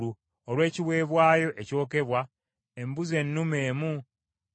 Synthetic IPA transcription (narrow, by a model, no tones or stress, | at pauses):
u | olwe̞ːciwe̞ːβwaːjo̞ʔe̞co̞ːke̞βwa | e̞mbuze̞nːumeːmu